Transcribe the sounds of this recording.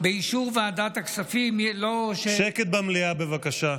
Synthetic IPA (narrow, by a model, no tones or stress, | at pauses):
beiʃuʁvead̪at̪aksafimlo̞ʃeʃeket̪̚bamliabevakaʃa